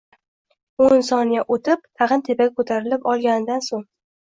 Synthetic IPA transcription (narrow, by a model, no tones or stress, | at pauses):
onsɒnjaʔot̪ʰɪp̚t̪ʰɑʁɨnt̪ʰe̞paɡʲakʰot̪ʰaɾɪlɪpɒlˠɡʲanɪd̪ansoŋ